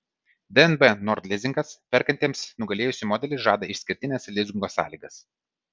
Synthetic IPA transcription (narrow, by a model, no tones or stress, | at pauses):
d̪ɛɛnbɛnɔɾd̪ʲlʲɪzʲɪŋkɐspʲɛɾkɐnʲt̪ʲiːmsnʊɡɐlʲeːjʊsʲɪmoːd̪ʲɛlʲɪʒɑːd̪ɐɪʃʲsʲkʲɪɾʲt̪ʲɪnʲɛslʲɪzʲɡʲɪŋɡoːsɑ̰ːlʲiːɡɐs